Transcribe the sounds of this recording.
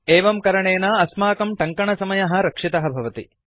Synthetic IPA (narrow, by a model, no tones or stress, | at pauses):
eːʋɐmkɐɾɐɳeːnaːɐsmaːkɐmʈɐŋkɐɳɐsɐmɐjɐɦɐ̆ɾɐkʂit̪ɐɦɐbʱɐʋɐt̪ḭ